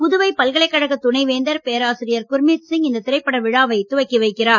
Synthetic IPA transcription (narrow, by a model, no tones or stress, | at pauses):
ʊðɯʋɐɪpɐlɣɐɭɐɪkːɐɽɐɣɐt̪ʊnɐɪʋeːnd̪ɐɾpejɐɾaːsɪɾɪjɐɾkʊɾmɪtsɪŋɪnd̪ɐt̪ɪɾɐɪpːɐɽɐʋɪɻaːʋɐɪt̪ːʊʋɐɪkːiʋɐɪkːɪraːɾ